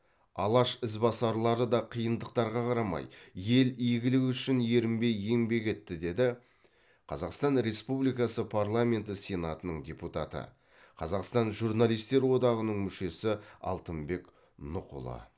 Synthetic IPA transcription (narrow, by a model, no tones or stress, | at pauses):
ɑlˠɑʃɪzbɑsɑɾlˠɑɾəd̪ɑqʰijənd̪əq̚t̪ɑɾʁɑqʰɑɾɑmɑ̰jje̞lijɡʲɪlɪkʏʃɪnje̞ɾɪmbe̞jːe̞ŋbe̞kʲe̞t̪ːɪd̪e̞d̪ɪ | qʰɑzɑqst̪ɑnɾe̞spublijkɑsəpʰarlˠamʲe̞nt̪ɪsʲe̞nat̪ənəɴdʲe̞put̪a̰t̪ə̰ | qʰɑzɑqst̪ɑnʒurnalˠijst̪e̞ɾwo̞d̪ɑʁənəɴmʏʃe̞sɪɑ̰lˠt̪əmbe̞k | nʊ̰qʊ̰lˠə̰